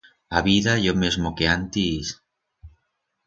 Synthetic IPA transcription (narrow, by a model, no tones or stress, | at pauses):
aβiðaʝomezmokeant̪is